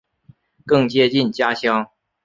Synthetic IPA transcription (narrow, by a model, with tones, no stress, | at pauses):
kɤ˥˩ŋt͡ɕjɛ˥t͡ɕi˥˩nt͡ɕja˥ɕjɑ˥ŋ